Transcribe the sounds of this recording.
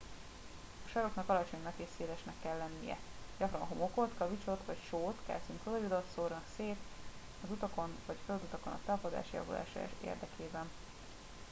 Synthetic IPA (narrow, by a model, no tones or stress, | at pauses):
ɒʃɒɾo̞knɒkɒlɒt͡ʃo̞ɲnɒkeːseːlɛʃnɛkːɛlːɛnːijɛ̰ɟɒkrɒnɦo̞mokot̪kɒvit͡ʃo̞t̪ʋɒcʃoːt̪kɛ̰ːsyŋkolɒjud̪ot̪soːrnɒkseːt̪ | ɒzut̪ɒko̞nvɒɟføld̪ut̪ɒko̞nɒ̰t̪ɒpod̪a̰ːʃjɒ̰vṵla̰ːʃɒ̰ḛːrd̪ɛkʰeːbɛn